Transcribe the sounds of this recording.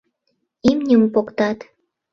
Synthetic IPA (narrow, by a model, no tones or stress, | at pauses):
imnʲəmpokt̪ɑt̪